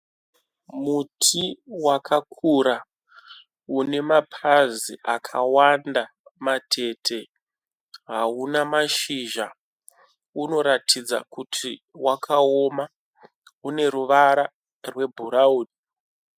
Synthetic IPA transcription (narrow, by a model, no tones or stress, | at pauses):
mutʰiwakʰakʰuɾa | une̞mapʰaziʔakʰawandamatʰe̞tʰe̞ | ɦaunamaʃiʒa | uno̞ɾatʰid͡za̰kutʰiwakʰao̞ma | une̞ɾuʋaɾa | rwe̞bʱuɾauːni